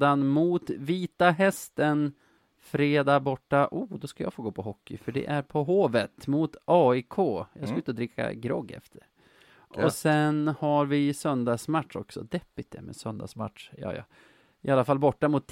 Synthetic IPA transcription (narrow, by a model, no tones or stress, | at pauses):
anmʊt̪viːt̪aɦɛst̪ən | fɾeːd̪ɑːbɔʈːaʔuːd̪ɔskajɑ̰ːfoːɡoːpʰɔɦɔkːɪfœɖɛ̰ʔæɾpʰɔɦoːvət̪mʊt̪ɑːɪkʰoːjɑːskaʏnt̪əd̪ɾɪkʰːa̰ɡɾɔɡːɛ̰ft̪ʰəɾ | ʔɔsɛnhaɾvɪsœnd̪ɑsmat̪ʂɔ̰ksɔ̰d̪ɛpːɪt̪̚d̪ɛ̰mɛsœnd̪a̰sma̰t̪ʂjɑ̰ːjɑ̰ | ɪalːafalːbɔʈːamʊt̪ː